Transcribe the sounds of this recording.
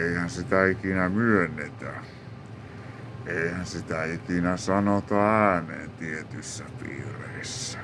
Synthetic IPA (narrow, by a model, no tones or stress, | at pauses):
eihænsit̪æikinæmyønˑːet̪æ | eihænsit̪æikinæsɑnot̪ɑæːnḛːnt̪iet̪ysːæpḭːrḛisːæ̥